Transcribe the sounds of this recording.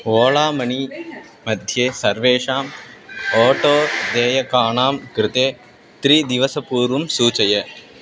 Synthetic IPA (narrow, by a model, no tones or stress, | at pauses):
oːlaːmɐni | mɐd̪ʱjeːsɐɾʋeːʂaːmoːʈoːd̪eːjɐkaːɳaːmkɾɪt̪eː | t̪ɾiːd̪ɪʋɐsɐpuːɾumsuːt͡ʃɐjɐ